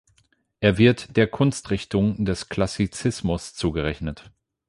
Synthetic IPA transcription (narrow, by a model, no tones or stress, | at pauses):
ʔeːɐvɪɐtd̥eːɐkʰʊnstʁ̥ɪçtʊŋdɛskl̥asit͡sɪsmʊst͡suːɡəʁɛçnət